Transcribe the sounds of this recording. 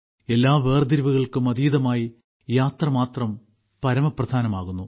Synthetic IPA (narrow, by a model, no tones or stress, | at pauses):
e̞lːaːʋe̞ːrd̪iɾʋuɣɐɭkɨmɐðiːðɐmaːji | jaːt̪rɐmaːt̪rɐm | pɐɾɐmɐprɐd̪ʱaːnɐmaːɣunːu